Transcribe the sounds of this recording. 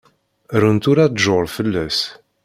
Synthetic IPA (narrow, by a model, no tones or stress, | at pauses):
ɾənt̪uɾad̪ʒoɾˤfəlːæs